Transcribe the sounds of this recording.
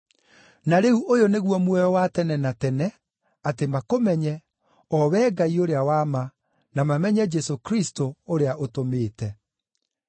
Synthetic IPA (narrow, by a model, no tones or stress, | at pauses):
naɾeuʔojoneɣwɔmwɛɔwatɛnɛnatɛnɛ | atemakomɛɲɛ | ɔwɛːɡaioɾeawama | namamɛɲɛd͡ʒɛsokɾistooɾeaʔotomeːtɛ